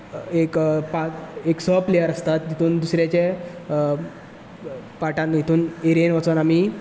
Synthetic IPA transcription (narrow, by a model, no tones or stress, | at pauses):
ekpaeksɔplejəɾəst̪at̪ɦit̪ʰuːnd̪usɾjat͡ɕe | paʈãnjit̪ʰuːneɾenʋət͡sonami